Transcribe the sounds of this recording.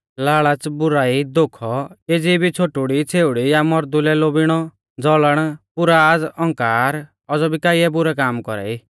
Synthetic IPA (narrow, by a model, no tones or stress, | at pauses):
laːɭat͡sbʊɾaːid̪okʰɔed͡zibʱit͡sʰoʈʊɽit͡sʰeːʊɽijamɔɾd̪ulɛloːbɪɽ̃ɔ | d͡zɔləɽ̃pʊɾad͡zɔ̃ŋkaːɾ | ɔd͡zɔbʱikaːiɛbʊɾɛkaːmkɔɾɛ̰i